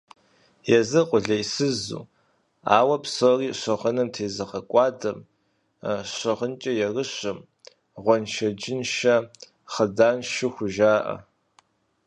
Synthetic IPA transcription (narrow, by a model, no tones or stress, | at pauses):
jɛzɨqʷʼʊɮɐjsɨzṵː | a̰ːwɐpsoriːɕɐʁənɨmtʰeːzɐqɐkʷʼɑːdɐm | ɕɐʁənt͡ʃʼɐjɛrɨɕɐm | ʁʷɔnʃɐd͡ʒɪnʃɐ | χədaːnʃɪxʷʊʒaːʔɐ̰